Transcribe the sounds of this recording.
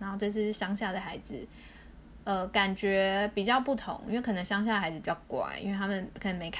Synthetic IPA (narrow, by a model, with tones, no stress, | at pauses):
na˧˦nxo˥˧ʊʈ͡ʂɤ˥˧s̬̩ʰ˥˩˥ɕjɑ˥ŋɕja˥˩d̪ə˩xa˧˥ɪd͡zɹ̩˨˩ | ə˧˩ka˨˩nt͡ɕɥɛ˧˦˥pi˨˩t͡ɕjɑ˥˧ʊpu˥˩t̪ʰʊ̰˧˦ŋḭ˥we˥˩kʰɤ˨˩nɤ˧˦ŋɕjɑ˥ŋɕ̬ja˥˩də˩xa˧˥ɪd͡zz̩˨˩pi˨˩t͡ɕjɑ˥˩ʊkwa̰˨˩nḭ˥nwe˥˩t̪ʰa˥mə˨nkʰə˨˩nə˧˥ŋme˧˥ɪkʰ